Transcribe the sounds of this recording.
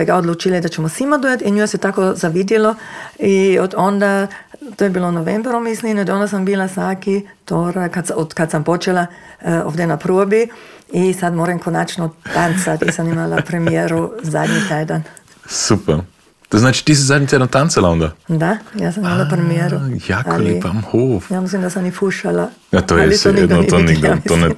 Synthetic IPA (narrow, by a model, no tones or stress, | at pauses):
aɡaod̪lut͡ʃilid̪at͡ʃɛmosimad̪uːjat̪inɲosɛt̪akozaʋid̪jɛloiod̪ond̪at̪ojɛbiːlonoʋembɾomislinod̪ond̪asambiːlasakit̪oɾakːat̪sod̪kat̪sampot͡ʃelao̰ʋd̪ɛnapɾuobiisat̪moːɾɛŋkonat͡ʃnɔt̪ant̪sat̪isamimalapɾemijeːɾuzaːd̪ɲit̪eːd̪an | supɛɾ | t̪osznaːt͡ʃi̥t̪is̬izad̪nʲɲit̪ɛːd̪ant̪ant̪t͡salaɔnd̪ad̪ajasɐmimalapɾemijeɾujaaolepamhoːfjamislimd̪asamnifuʃala | jat̪oːjɛlisond̪d̪nioniɡd̪aitonɛ